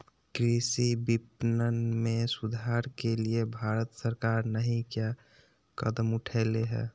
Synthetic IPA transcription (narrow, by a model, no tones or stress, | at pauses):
kɾisibipnənmẽsud̪ʱaɾkeliebʱaɾət̪səɾkaːɾnəɦĩkja | kə̰d̪əmʊʈʰɛːleɦɛ̰ː